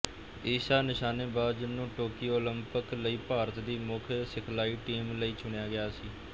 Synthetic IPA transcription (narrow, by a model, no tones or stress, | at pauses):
eːʃaːnɪʃaːneːbaːdd͡ʒɪnːũːʈoːkioːləmpəkləiːpaːɾət̪d̪iːmʊkʰsɪkʰlaːiːʈiːmləiːt͡ʃʊɳejaːɡɪjaːsiː